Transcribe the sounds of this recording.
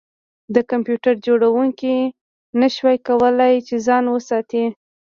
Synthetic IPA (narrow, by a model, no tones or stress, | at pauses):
d̪əkampjuʈaɾd͡ʒoɽawuŋki | naʃwɑjkawəlajt͡ʃezɑnwəsɑt̪i